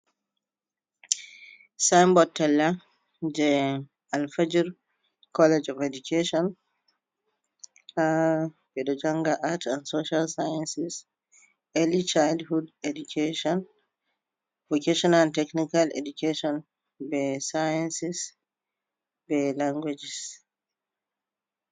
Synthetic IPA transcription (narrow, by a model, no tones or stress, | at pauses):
sajmbɔtːɛlːa | d͡ʒɛ | alfad͡ʒiɾ | kʰɔlɛd͡ʒɔfedukeʃɔn | abɛɗɔd͡ʒaŋɡaʔatansoʃalsajansis | ʔelit͡ʃaldhudedukʰeʃɔn | vokeʃɔnantɛknikalḛdukeʃɔn | bɛsajansis | bɛlaŋɡwed͡ʒis